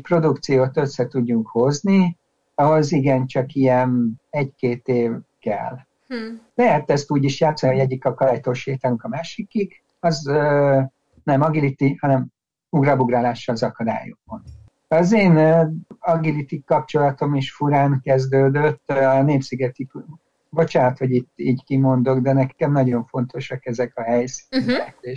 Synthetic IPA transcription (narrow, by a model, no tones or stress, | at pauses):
ɛcpro̞d̪ukt̪sijoːt̪ø̞sːɛt̪uɟːuŋkho̞zni | ɒɦo̞ziɡɛnt͡ʃɒkijɛnɛckeːt̪eːvkɛ̰l | lɛɦɛt̪ːɛst̪uːɟiʃjaːt̪sːɒnioɛɟːikɒkɒd̪aːjt̪oʃeːt̪ɛluŋkɒmaːʃikik | ɒz | nɛmɒɡilit̪ihɒnɛm | uɡrɒbuɡraːlaːʃːɒlzɒkɒd̪a̰ːjo̰kmon | ɒzeːnːɒɡilit̪ikɒp̚t͡ʃo̞lɒt̪o̞miʃfuɾaːŋkɛzd̪øːd̪øt̪ːɒneːpsiɡɛt̪i | bo̞t͡ʃaːnɒt̪ho̞ɟit̪ːiːɟkimo̞nd̪o̞ɡd̪ɛnɛkɛmnɒɟo̞ɱfo̞nt̪o̞ʃɒkɛzɛkɒɦɛjsi̥nɛkeːʃ